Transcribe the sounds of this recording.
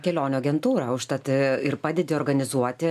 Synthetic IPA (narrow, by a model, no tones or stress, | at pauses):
kʲɛlʲoːnʲoɐɡʲɛnt̪uːɾɐʊʃt̪ɐt̪ʲɪɪrpɑːd̪ʲɛd̪ʲɪoːrɡɐnʲɪzuɔt̪ʲɪ